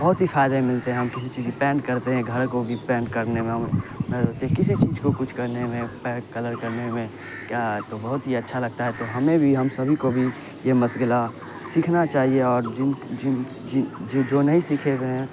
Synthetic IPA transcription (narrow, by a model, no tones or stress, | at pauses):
bɐɦʊt̪ɦifʰaːɪd̪ẽmɪlt̪eɦɛ̃ɦɐ̃mkɪsit͡ʃiːzpɛːɳɖkɐɾt̪eɦɛ̃ɡʱɐɾkobʱipɛ̃ːɳɖkɐɾnemẽɦɐmmẽɾoːt̪eɦɛ̃kɪsit͡ʃiːzkokʊt͡ʃʰkɐɾnemẽpɛkɐləɾkɐɾnemẽ | kjaːɦɛt̪obɐɦʊt̪ɦiɐtːʃʰalɐɡ̚t̪aɦɛt̪oɦɐmẽbʱiɦɐmsɐbʱikobʱi | jemɐsɡəla | sikʰnat͡ʃaːɦieɔːɾd͡ʒɪnd͡ʒɪn | d͡ʒɪd͡ʒd͡ʒoːnɐɦĩsikʰebeɦɛ̃